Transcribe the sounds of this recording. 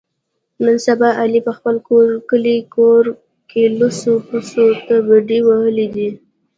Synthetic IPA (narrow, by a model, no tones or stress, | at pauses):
nənsabɑʔalipəxpəlkoɾkəlikoɾ | kelusopusot̪abaɖiwahəlid̪i